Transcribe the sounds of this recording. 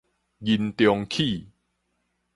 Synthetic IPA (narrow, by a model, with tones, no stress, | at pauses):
ɡi˨˧nt̪jɔ˧ŋkʰi˥˧˨